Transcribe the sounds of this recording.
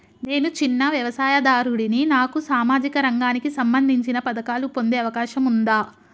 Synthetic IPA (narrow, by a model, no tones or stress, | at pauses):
ne̞ːnut͡ʃinːɐʋjɐʋɐsaːjɐd̪aːɾuɽininaːkusaːmaːd͡ʒikɐɾɐŋɡaːnikisɐmbɐnd̪ʱiɲt͡ʃinɐpɐd̪ɐkaːlupo̞nd̪eːɐʋɐkaːʃɐmund̪aː